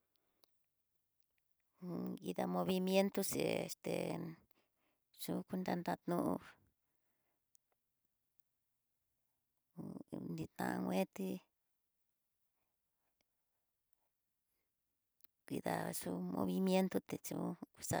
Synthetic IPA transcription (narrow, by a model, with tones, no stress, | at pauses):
i˧ða˧mõ˧βi˧mje˦nt̪o˦se˨e˧st̪e˨ | t͡ʃu˦ku˦nd̪a˧nd̪a˧t̪nũ˦ʔu˧ | nĩ˧t̪ã˧ʔã˧ŋʷẽ˦t̪i˦ | kʷi˧ða˨˧ʂu˦mõ̰˧βi˧mje˦nt̪o˦t̪e˨t͡ʃu˧˦ku˧sa˧